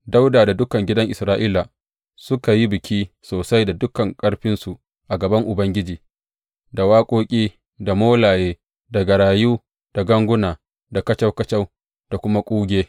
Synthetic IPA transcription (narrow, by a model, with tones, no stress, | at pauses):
da˦wdaː˨da˨dʊ˦kɐ˨ŋɡʲɪ˦dɐ˦ŋʔɪ˨sɾaː˦ʔiː˦la˨ | sʊ˦ka˨ji˦bɪ˨kʲʰiː˦ | soː˨sa˦jda˨dʊ˦kɐ˨ŋkʼɐ˦ɽɸɪ˦nsu˨ʔ | ʔa˨ɡɐ˨bɐ˦ŋʔʊ˨bɐ˦ŋɡʲɪ˦d͡ʒiː˨ | da˨waː˦kʷʼoː˦kʲʼiː˦ | da˨moː˦laː˨jeː˦ | da˨ɡɐ˨ɽaː˨juː˦ | d̥a˨ɡɐ˦ŋɡʷʊ˦naː˨ | da˨kɐ˦t͡ʃa˦wkɐ˦t͡ʃa˦w | d̥a˨kʷʊ˦ma˦kʷʼuː˦ɡʲeː˦